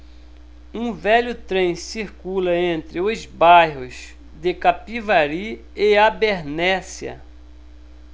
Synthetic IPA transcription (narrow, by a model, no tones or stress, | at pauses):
ũvɛʎʊt̪ɾẽj̃siɾkulɐẽnt̪ɾɪʊzbajɦʊz | d̪ɪkapivaɾi | eabeɾnɛsjɐ̰